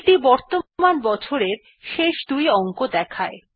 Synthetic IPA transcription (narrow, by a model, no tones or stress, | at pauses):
ʈibɔɾt̪omanbɔt͡ɕʰoɾeɾ | ʃeʃd̪ujɔŋkod̪ɛkʰae